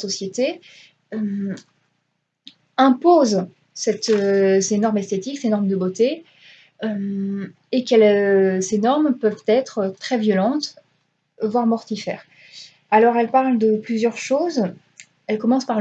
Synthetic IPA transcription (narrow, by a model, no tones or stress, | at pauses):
sɔsjet̪e | øm | ɛ̃poz | sɛt̪øsenɔʁmɛst̪et̪iksenɔʁmd̪əbot̪e | ø | ekɛlsenɔʁmpœvt̪ɛt̪χət̪χɛvjɔlɑ̃t̪ | vwaʁmɔʁt̪ifɛ̰ːʁ | alɔʁɛlpaʁld̪əplyzjœʁʃoz | ɛlkɔmɑ̃spaʁ